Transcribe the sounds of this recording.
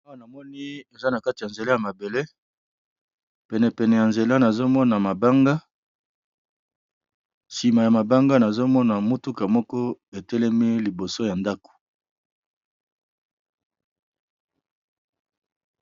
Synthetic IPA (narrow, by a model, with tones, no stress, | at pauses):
a˦wa˦˨na˨mɔ˦ni˦e˨za˦na˨ka˦ti˨ja˨nze˨la˦ja˨ma˨be˨le˦ | pɛ˨nɛ˨pɛ˨nɛ˨ja˨nze˨la˦na˨zo˦mɔ˦na˨ma˨ba˦ŋɡa˦ | si˨ma˨ja˨ma˨ba˦ŋɡa˦na˨zo˦mɔ˦na˨mu˦tu˦ka˨mɔ˦kɔ˦e˨tɛ˦lɛ˦mi˦li˨bo˨so˦ja˨nda˦ko̥˨